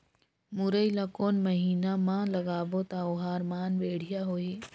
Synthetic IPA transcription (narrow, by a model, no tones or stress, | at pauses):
mʊɾəilakoːnmɐɦiːnamãlɐɡaːʋot̪aʊɦaːɾmaːnʋeːɽ̤ijaɦoːeː